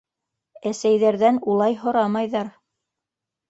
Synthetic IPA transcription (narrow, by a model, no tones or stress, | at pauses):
æsæjðæɾðænulˠɑjɦŏɾɑmɑjðɑɾ